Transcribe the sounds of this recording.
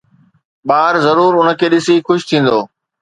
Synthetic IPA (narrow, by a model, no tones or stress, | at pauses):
ɓaːɾzɐɾuːɾʊnə̆kʰeːɗɪsixʊʃt̪ʰĩːn̆d̪oː